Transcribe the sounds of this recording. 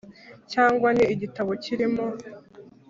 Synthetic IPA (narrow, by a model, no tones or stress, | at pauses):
caːŋɡwaniːɟitaβo̞ciɾimo̞